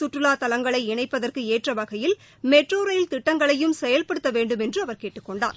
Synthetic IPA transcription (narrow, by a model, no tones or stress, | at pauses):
sʊʈrɯlaːt̪ɐlɐŋɡɐɭɐɪɪɳɐɪpːɐðɐrkɯeːʈrɐʋɐɣɐjɪl | mɛʈroːɾɐjɪlt̪ɪʈːɐŋɡɐɭɐjɯmsɛjɐlpɐɽɯt̪ːɐʋeːɳɖɯmɛndrɯɐʋɐɾkeːʈːɯkːɔɳɖa̰ːɾ